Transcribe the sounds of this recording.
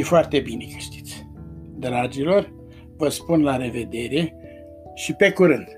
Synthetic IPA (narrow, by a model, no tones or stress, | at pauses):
jefoart̪e̞bine̞kə̥ʃt̪i̥t̪sʲ | d̪ɾad͡ʒilo̞r | vəspunlaɾe̞ve̞d̪e̞ɾe̞ | ʃipe̞kuɾɨnd̪̥